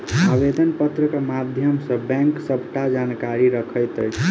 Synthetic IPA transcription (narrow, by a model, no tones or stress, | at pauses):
abed̪ʱənpət̪ɾəkemad̪ʱjəmsə̃bɛ̃ŋksəbʱʈad͡ʒankaɾiɾəkʰəjt̪əjt͡ʃʰ